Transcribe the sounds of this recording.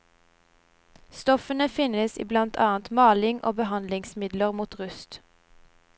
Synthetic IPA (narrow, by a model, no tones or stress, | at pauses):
st̪ɔfənəfɪnəsḭːblɑnt̪ʰɑ̰ːənt̪mɑːlɪŋʔo̰ːbəhɑnd̪lɪŋsmɪd̪ləʁmuːt̪ʁʉst̪